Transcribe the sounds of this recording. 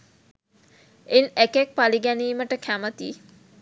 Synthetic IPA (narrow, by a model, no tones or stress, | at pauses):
enekɛk̚paliɡɛniːməʈəkʰæmət̪ḭ